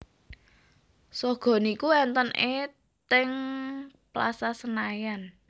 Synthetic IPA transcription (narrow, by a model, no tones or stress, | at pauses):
sɔɡ̥ɔ̤nikuɛnt̪ənʔe | t̪ɪŋ | pla̰sasənajan